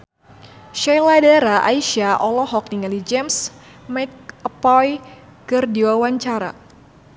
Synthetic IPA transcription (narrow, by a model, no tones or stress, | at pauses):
ʃajladaɾaʔa̰iʃiaʔɔlɔɦɔk̚niŋalid͡ʒɛms | mɛk̚əpɔjkɨrdiwawaɲt͡ʃaɾa̰